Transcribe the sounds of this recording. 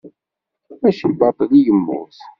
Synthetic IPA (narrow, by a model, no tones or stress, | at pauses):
æʃəbɑt̪ˤðijəmːʊ̰s